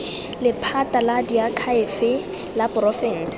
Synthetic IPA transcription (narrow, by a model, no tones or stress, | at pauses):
lɪpʰataladiakʰaɪfɪ | lapʊrɔfɪŋ̩s